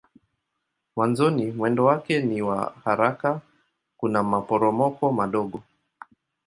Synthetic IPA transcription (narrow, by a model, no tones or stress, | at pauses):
mwanzɔnimwɛndɔwakɛniwa̰haɾaka | kunamapɔɾɔmɔkɔmaɗɔɠɔ